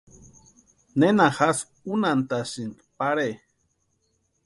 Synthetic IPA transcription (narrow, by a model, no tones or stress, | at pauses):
nenaxas | unant̪asin | paɾe